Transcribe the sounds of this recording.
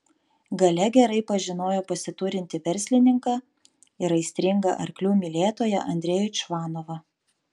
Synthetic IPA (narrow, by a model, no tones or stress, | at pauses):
ɡɐlʲɛɡʲɛɾɐɪpɐʒʲɪnoːjoːpɐsʲɪt̪uːɾʲɪnʲt̪ʲɪʋʲɛɾʲsʲlʲɪnʲɪŋkɑ | ɪɾɐɪsʲt̪ʲɾʲɪŋɡɐ̰ʔɐɾklʲuːmʲilʲeːt̪oːjɛ̰ʔɐ̰nʲd̪ʲɾʲɛːjʊt͡ʃʋɑːnoːʋɐ